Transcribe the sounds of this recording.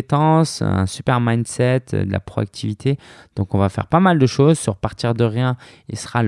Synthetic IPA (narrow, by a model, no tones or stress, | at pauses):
t̪ɑ̃sɛ̰̃sypɛʁmajnsɛt̪ʰd̪əlʔa̰pχɔa̰k̚t̪ʰivit̪ʰed̪̥ɔ̃kɔ̃vafɛ̰ʁpamald̪əʃozsyʁpaʁt̪iʁd̪əʁjɛ̃ilsəʁa